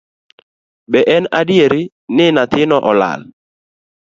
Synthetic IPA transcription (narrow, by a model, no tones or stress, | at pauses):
bɛʔɛnadjeɾɪ | nɪnat̪ɪnɔʔɔla̰l